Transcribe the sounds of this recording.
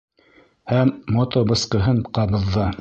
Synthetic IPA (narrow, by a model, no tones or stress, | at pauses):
hæmːot̪obɤ̆sqɤ̆ɦɤɴqɑβɤ̆ðːɤ